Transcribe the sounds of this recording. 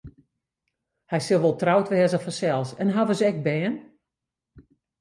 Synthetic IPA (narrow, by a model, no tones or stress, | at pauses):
hɛjsɪlˠʋɔlˠtrawtʋɛːəzəfɔnsɛlˠsɛnɦavəsɛk̚bɛːn